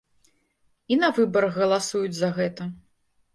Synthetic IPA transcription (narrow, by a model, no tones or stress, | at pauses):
inɐvɨbɐɾɐɣɣɐlˠasujud͡zʲzɐɣɛt̪ɐ